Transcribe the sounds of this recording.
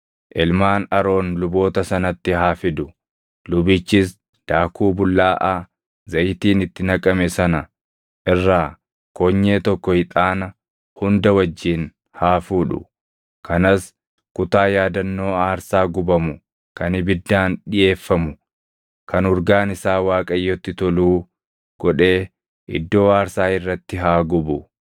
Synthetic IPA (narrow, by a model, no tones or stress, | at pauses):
ʔɪlmaːnɐɾo̞ːnlʊbo̞ːt̪ɐsɐnɐt̪ːɪɦaːfɪd̪ʊ | lʊbɪt͡ʃːɪs | d̪̥aːkʰuːbʊlːaːʔaː | zɐjt̪iːnɪt̪ːɪnɐkʼɐmɛsɐnɐ | ʔɪrːaː | koɲːe̞ːt̪ɔkːɔhɪt̪ʼaːnɐ | hʊnd̪ɐwɐd͡ʒːiːn | haːfuːᶑʊ̰ | kʰɐnɐs | kʊt̪aːjaːd̪ɐnːo̞ːaːɾsaːɡʊbɐmʊ | kɐnɪbɪd̪ːaːnᶑɪʔe̞ːfːɐmʊ | kʰɐnʊɾɡaːnɪsaːwaːkʼɐjːɔt̪ːɪt̪ɔluː | ɡ̥ɔᶑe̞ː | ʔɪ̰d̪ːo̞ːaːɾsaːɪrːɐt̪ːɪɦaːɡʊbʊ